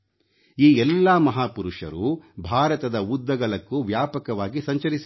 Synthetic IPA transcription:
iːɛlːaːmɐɦaːpuɾuʂɐ̰ɾubʱaːɾɐt̪ɐd̪ɐud̪ːɐɡɐɭɐkːuʋjaːpɐkɐʋaːɡisɐɲt͡ʃɐɾisi

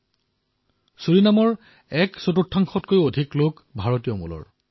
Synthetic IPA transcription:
suɹinamɔɹ | ɛksotutʰːaŋxɔtkojodʱiklok | bʱaɹotijɔmṵlɔ̰ɹ

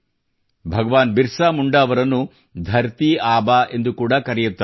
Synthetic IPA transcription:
bʱɐɡɐʋaːnbiɾsaːmuɳɖɐːʋɐɾɐnːu | d̪ʱɐɾt̪iaːbaʔe̞nd̪ukuːɽɐkɐɾɛjut̪ːɐ

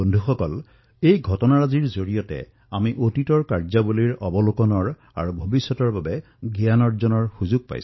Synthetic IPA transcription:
ondʱuxɔkɔl | ejɡʱɔtɔnaɹaziɹzoɹijɔtɛ̰ | amiʔotitɔɹkaɹzabuliɹɔbɔlukɔnɔɹ | a̰ɹubʱobisːɔtɔɹbabɛ | ɡianɔɹzɔnɔɹxuzuɡ̚pa̰js

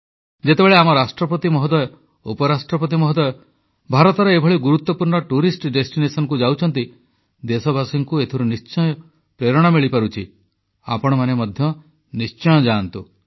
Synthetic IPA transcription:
d͡ʒet̪ebeɭeamɔɾasʈɾɔp̬ɔt̪imɔɦɔd̪ɔjɔ | upɔɾasʈɾɔpɔt̪̬imɔɦɔd̪ɔjɔ | bʱaɾɔt̪ɔɾeebʱɔɭiɡuɾut̪ːɔpuɾɳɔʈuɾisʈɖesʈinesɔnɔkud͡ʒawt͡ʃʰɔnt̪i | d̪esɔbʱasiŋkuet̪ʰiɾunist͡ʃɔjɔ | pɾeɾɔɽ̃amiɭipaɾut͡ʃʰi | a̰pɔɽ̃ɔmanemɔd̪ʱjɔ | nist͡ʃɔj̃ɔd͡ʒaːnt̪u

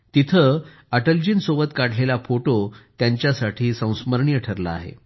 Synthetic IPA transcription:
t̪it̪ʰə | əʈəld͡ʑiːnsoʋət̪kaɽ̤ʰlelafoʈot̪jaɲt͡ɕjasaʈʰiːsə̃w̃sməɾɳiːəʈʰəɾla̰ːɦḛ

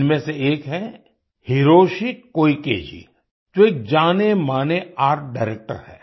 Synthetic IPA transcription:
nmẽseeːkɦɛ | hiɾoːʃikoːikḛːd͡ʒḭ | d͡ʒoeːk̚d͡ʒaːnemaːneaːɾʈ̚ɖaɪɾeːk̚ʈə̰ɾhɛ̰ː

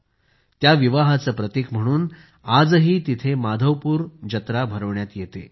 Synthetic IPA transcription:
t̪jaʋiʋaɦat͡səːpɾət̪ikm̤əɽ̃uːn | ad͡zɦiːt̪it̪ʰemad̪ʱəʋpuːɾd͡ʑət̪ɾabʱəɾəʋɳjat̪jet̪ḛ

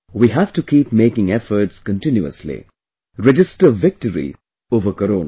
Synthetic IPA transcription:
wiɦæʋʈukiːpmeːkɪ̃ŋɛfəɾʈskə̃nʈɪ̃njuə̰slḭ | ɾɛd͡ʒɪsʈəʋɪk̚ʈəɾḭ | oːʋəkəɾoːna

